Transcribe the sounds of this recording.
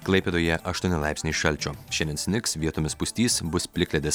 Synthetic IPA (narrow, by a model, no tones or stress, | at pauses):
klˠɐɪpʲed̪oːjɛʔɐʃt̪uɔnʲɪlˠɑˑɪpʲsʲnʲiɪʃɐlʲt͡ʃʲoːʃʲɛnʲdʲɛnsʲnʲɪksʋʲiɛt̪ʊmʲɪspʊsʲt̪ʲiːsbʊspʲlʲɪkʲlʲɛd̪ʲes